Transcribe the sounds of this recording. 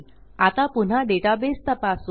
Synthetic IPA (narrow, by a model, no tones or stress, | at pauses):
at̪apun̤aɖeʈabest̪əpas